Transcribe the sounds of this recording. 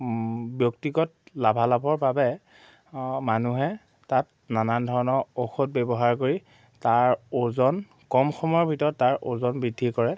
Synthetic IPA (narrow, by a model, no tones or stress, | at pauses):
bjoktiɡɔt̚labʱalabʱɔɹbabɛ | manuɦɛ | tat̚ | nanandʱɔɹɔnɔoxot̚bebɔɦaɹkoɹi | taɹozɔn | kɔmxɔmɔɹbʱitɔɹɔtːaɹʔozɔnbɹidʱːikɔɹɛ